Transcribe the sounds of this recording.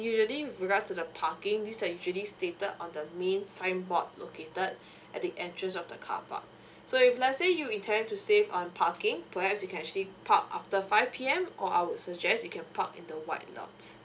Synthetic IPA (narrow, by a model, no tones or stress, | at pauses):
juʒəliɹiɡatstudəpʰakɪ̃ŋdisajud͡ʒəlistetədɔ̰̃ndəmẽnsãɪ̃nbɔt̚lokʰetəd | ʔɛt̚diʔɛ̃ntɹə̃ns̬ɔfdəkʰa̰pʰa̰k̚ | soiflasejuĩntʰɛ̃ntusevɔ̃npʰakɪ̃ŋpʰəhɛpsjukɛ̃nɛkt͡ʃəlipʰa̰ka̰ftəfaɪvpʰiɛ̃mʔɔʔa̰ɪwudsəd͡ʒɛstjukʰɛ̃npʰa̰kɪ̰̃ndəwaɪt̚lɔ̰̃ms